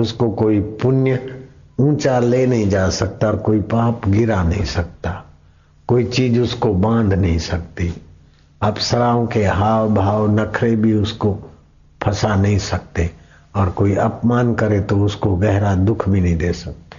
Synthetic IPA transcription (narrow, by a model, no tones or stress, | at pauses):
ʊskokoːipʊnjəũːt͡ʃaleːnɐɦĩd͡ʒaːsɐk̚t̪aɔːɾkoːipãːpɡɪɾanɐɦĩsɐk̚t̪a | koːit͡ʃiːd͡ʒʊskobãːnd̪ʱnɐɦĩsɐk̚t̪i | aːpsɐɾaːõkeɦaːwbʱaːwnɐkʰɾebʱiʊsko | pʰɐsanɐɦĩsɐk̚t̪e | ɔːɾkoːiɐpmaːnkɐɾẽt̪oʊskoɡɛɦɾad̪ʊkʰbʱinɐ̃ɦĩd̪eːsɐk̚t̪e̥